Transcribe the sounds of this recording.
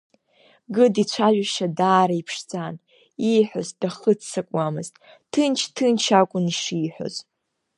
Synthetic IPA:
ɡɨdit͡ɕʷʰaʒʷᶣaʃadaːɾaipʰʂd͡zʼan | iħʷozd̥aχət͡sʰsakʷʼamɨztʼ | tʰɨnt͡ʃʰtʰɨnt͡ʃʰakʷʼʊniʂiħʷᶣo̰z

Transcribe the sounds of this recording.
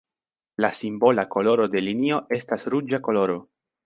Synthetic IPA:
lasimbo̞lako̞lo̞ɾo̞de̞linio̞ʔe̞stasɾud͡ʒako̞lo̞ɾo̞

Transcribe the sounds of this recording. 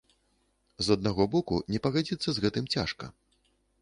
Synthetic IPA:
zɐd̪̚naɣɔbɔkunʲɛpɐɣad͡zʲit̪sːɐzɣɛt̪ɨmt͡sʲaʂkɐ̰

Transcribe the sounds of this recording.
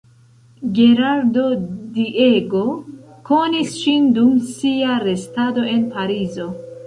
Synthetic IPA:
ɡe̞ɾaɾdo̞dieɡo | ko̞nisʃindumsiaɾe̞stado̞e̞npaɾizo̞

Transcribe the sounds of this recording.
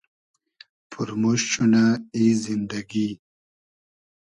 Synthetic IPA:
pʰuɾmoɕɕunaizind̪aɡi

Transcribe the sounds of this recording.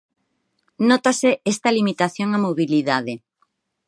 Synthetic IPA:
not̪aseest̪alimit̪aθjoŋamoβiliðaðe

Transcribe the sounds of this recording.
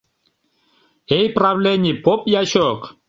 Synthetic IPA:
ejpravlʲenʲipopjaɕok

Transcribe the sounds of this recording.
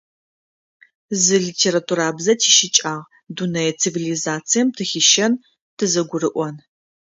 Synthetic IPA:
zɨɮitʰeːɾatʰuɾaːbzɐtʰiːʃɪt͡ʃʼaːʁ | dunɐjɛt͡sʰivilizaːt͡sʰijɛmtʰɨxʲiʃɐn | tʰɨzɐɡʷʊrɨʔʷɔn

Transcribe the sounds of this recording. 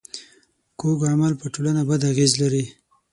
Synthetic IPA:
koɡamalpəʈolanabad̪aɣezlaɾi

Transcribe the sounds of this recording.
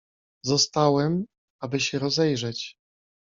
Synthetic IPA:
zɔst̪awɛm | abɘɕɛɾɔzɛjʐɛt͡ɕ

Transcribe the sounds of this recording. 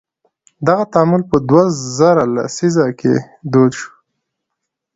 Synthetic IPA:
d̪aɣat̪amulpəd̪wazaɾala̰sizakʰḛ | d̪od̪ʃu̥

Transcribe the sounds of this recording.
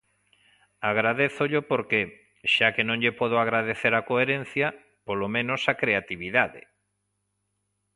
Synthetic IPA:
aɣɾaðeθʊʎopoɾke | ʃakenõŋʎepɔð̞oaɣɾaðeθeɾakoeɾẽn̟θjɐ | polomẽnosakɾeat̪iβiðaðɪ̰

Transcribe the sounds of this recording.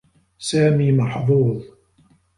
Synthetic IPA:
saːmiːmɑħðˤuːðˤ

